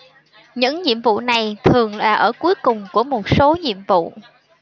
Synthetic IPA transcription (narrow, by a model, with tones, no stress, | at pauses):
ɲɨ̰˧˥ŋɲḭ˧˨əmvṵ˧˨na˨˩jt̪ʰɨ˨˩əŋlaː˨˩ʔəː˧˩ku˨˦əjkʊ˨˩ŋ͡mku˧˩əmo˨˩t̚so˨˦ɲḭ˧˨əmvṵ˧˨